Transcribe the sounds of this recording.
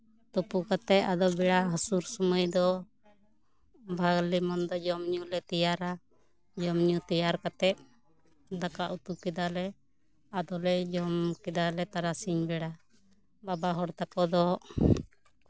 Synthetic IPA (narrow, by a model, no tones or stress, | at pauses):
t̪ɔpukat̪ɛʔ̪ad̪ɔbɛɽaɦɔsuɾsɔməjd̪ɔ | bʱaɡlimɔnd̪ɔd͡ʒɔmɲulɛt̪ijaɾa | d͡ʒɔmɲut̪ijaɾkat̪ɛt̪̚ | d̪akaʔut̪ukɛd̪alɛ | ad̪ɔlɛd͡ʒɔmkɛd̪alɛt̪aɾasiɲbɛɽa | babaɦɔɽt̪akɔd̪ɔ